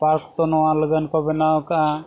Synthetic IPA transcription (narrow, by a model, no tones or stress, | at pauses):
paɾkt̪ɔnɔaləɡankɔbenaɔka